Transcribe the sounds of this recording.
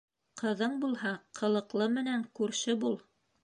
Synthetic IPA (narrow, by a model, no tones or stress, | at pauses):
qɤ̆ðɤɴbulˠhɑqʰɤ̆lˠɤ̆qlˠɤmɘ̆næŋkʉɾʃɘbulˠ